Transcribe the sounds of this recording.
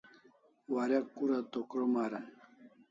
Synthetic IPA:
waɾakːuɾat̪okɾomaɾa

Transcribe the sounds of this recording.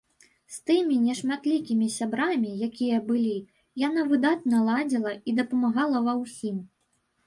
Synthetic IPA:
st̪ɨmʲinʲɛʂmat̪lʲikʲimʲisʲabɾamʲijakʲijɐbɨlʲi | janavɨd̪at̪̚nɐlˠad͡zʲilˠɐid̪ɐpɐmaɣalˠɐvɐwsʲim

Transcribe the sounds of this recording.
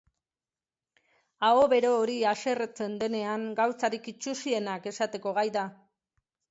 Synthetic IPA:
ao̞βe̞ɾo̞ːɾiase̞ret͡se̞nd̪e̞ne̞aŋɡawt͡saɾikit͡ʃusie̞nake̞sat̪e̞ko̞ɣajða

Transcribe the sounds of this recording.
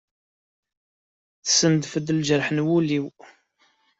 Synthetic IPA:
θə̥sənd̪fəd̪əld͡ʒəɾħnwuliw

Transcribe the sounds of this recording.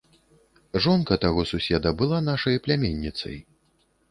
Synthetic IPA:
ʐɔnkɐt̪aɣɔsusʲɛd̪ɐbɨlˠanaʂɐjɐplʲamʲenʲːit̪sɐ̰j

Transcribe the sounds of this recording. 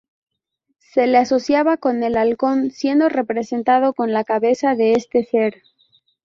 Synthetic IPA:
se̞leaso̞θjaβako̞ne̞lalko̞nsje̞nd̪o̞re̞pɾe̞se̞nt̪að̞o̞ko̞nlakaβe̞saðe̞est̪e̞θe̞ɾ

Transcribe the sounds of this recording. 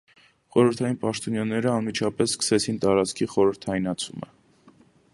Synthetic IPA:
χɔɾəɾt̪ʰɑjinpɑʃt̪ɔnjɑnɛɾəɑnmit͡ʃʰɑpɛsskʰə̥sɛt͡sʰint̪ɑɾɑt͡skʰiχɔɾəɾt̪ʰɑinɑt͡sʰumə̰

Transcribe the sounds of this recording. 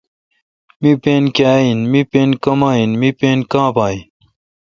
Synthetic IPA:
mipeːnkaːinmipeːnkɐmaːinmipeːnkãːpaːin

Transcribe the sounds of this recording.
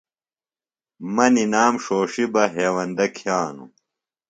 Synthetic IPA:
mɐninaːmʂoːʂibɐɦeːwɐnd̪ɐkʰijaːnṵ

